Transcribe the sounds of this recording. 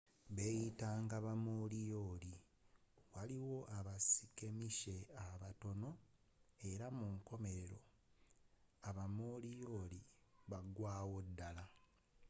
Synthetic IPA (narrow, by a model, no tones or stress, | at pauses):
βejitaːŋɡaβamolijo̞ːli | waliwo̞ʔaβasi̥ke̞miʃe̞aβato̞no̞ | e̞ɾamuŋko̞me̞ɾe̞ɾo̞ | aβamoːlijo̞ːliβaɡwaːwo̞dːala